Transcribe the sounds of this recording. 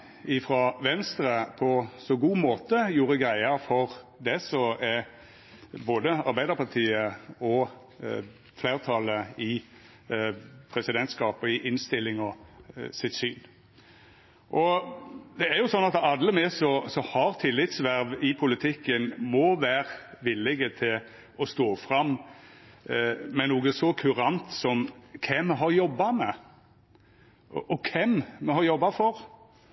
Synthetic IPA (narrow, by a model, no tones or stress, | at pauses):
ɪfɾɑʋɛnst̪ɾəpʰɔsɔɡuːmoːt̪əjuːɾəɡɾæɪɑfɔʁd̪ɛsɔɛ | boːd̪əɑɾbæɪd̪əɾpɑʈ̪ʰiːəɔ | fleːʁt̪ʰɑləɪ | pʰɾɛsɪd̪ɛnt̪skɑːpɔɪʔɪnst̪ɪlːɪŋɔsɪt̪syːn | ʔɔ | d̪ɛæɾjʊsɔnɑt̪ɑd̪ləmɛsɔsɔhɑɾt̪ʰɪlːɪt̪sʋæɾʋɪpʰʊlɪt̪ʰɪkːənmɔʋæːɾʋɪlːɪɡət̪ʰɪl | ɔst̪oːfʁɑm | mɛnuːɡəsɔkʰʉɾɑnt̪sɔmkʰɛmːɛɦɑɾjɔbːɑmɛ | ʔʔɔkʰɛmmɛhɑɾjɔbːɑfɔɾ